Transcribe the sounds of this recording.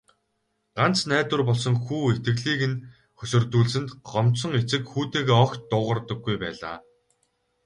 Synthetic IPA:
ɢ̥an̥t͡snæːt̪wɘ̆rpɔɮsɞ̆ŋxuːet̪ɡɘ̆ɣɮiːkɘ̆n | xɵsɵ̆rt̪uːɮsɘ̆nt̪ɢ̥ɔmsɞ̆ŋet͡sɘ̆kxuːt̪eːɣeɔkt̪ːʊːʁə̆rt̪ɞ̆ɡːujpæ̰ːɮa̰ː

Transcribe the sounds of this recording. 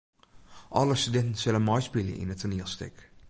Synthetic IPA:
ʔɔləstydɛntən̩sɪlənmɔjspɪljə̰ʔɪ̰nətʰoniəlˠstɪ̰k

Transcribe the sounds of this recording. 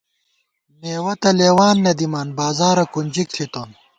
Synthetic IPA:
meːwɐt̪ɐleːwaːnːɐd̪imaːnbaːzaːɾɐkunʲd͡ʑikt̪ʰit̪oːn

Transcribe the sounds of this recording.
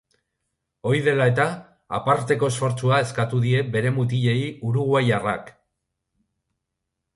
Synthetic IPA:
o̞jðe̞lae̞t̪a | a̰paɾt̪e̞ko̞esfo̞ɾt͡suae̞skat̪uðie̞be̞ɾe̞mut̪̬iʎe̞juɾuɣwajara̰k

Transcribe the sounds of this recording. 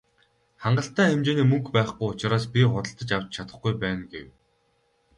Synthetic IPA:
χaɴɢə̆ɬt̪æːemt͡ɕeːniːmɵŋkpæːχɡujʊt͡ɕɪ̆ɾaːspʲiχʊt̪ə̆ɬt̪ə̆t͡ɕawt͡ɕt͡ɕʰat̪ə̆χɡujpæːnɡḛw

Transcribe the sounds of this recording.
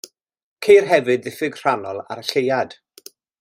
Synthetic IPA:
kʰejrɦɛvɨd̚ðɪfɨɡr̥anɔlˠa̰ɾəɬejad̥

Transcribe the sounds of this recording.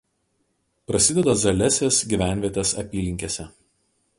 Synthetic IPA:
pɾɐsʲɪd̪ʲɛd̪ɐzɐlʲɛsʲeːsɡʲiˑʋʲæˑnʲʋʲiɛt̪ʲesɐ̰pʲiːlʲɪŋʲkʲeːsʲɛ

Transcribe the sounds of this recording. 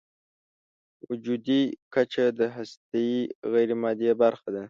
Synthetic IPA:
wʊd͡ʒud̪ikat͡ʃad̪əɦast̪ajiɣajɾimɑːd̪ijabaɾxad̪a

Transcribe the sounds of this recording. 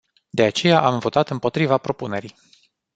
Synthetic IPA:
d̪e̞at͡ʃe̞jaʔamvo̞t̪at̪ɨmpo̞t̪ɾivapɾo̞pune̞ɾij

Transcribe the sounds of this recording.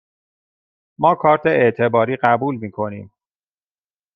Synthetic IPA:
mɒːkʰɒːɾt̪ʰeeʔt̪ʰe̞bɒːɾiːɢæbuːlmiːkʰo̞niːm

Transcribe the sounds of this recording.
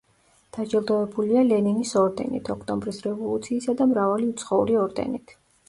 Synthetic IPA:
d̪̥ad͡ʒɛlˠd̪ɔɛbulialɛninisɔɾd̪ɛ̰nḭt̪ʰɔkʰt̪ʼɔmbɾisɾɛvɔlˠut̪sʰiːsad̪amɾavaliut̪sʰχɔṵɾiɔɾd̪ɛ̰nit̪ʰ

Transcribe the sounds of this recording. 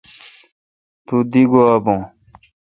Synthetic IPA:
t̪ud̪iɡoabõ

